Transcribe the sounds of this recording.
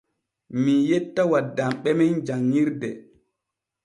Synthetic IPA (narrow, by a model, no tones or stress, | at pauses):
mijɛtːawadːamɓɛmɛnd͡ʒaŋːiɾdɛ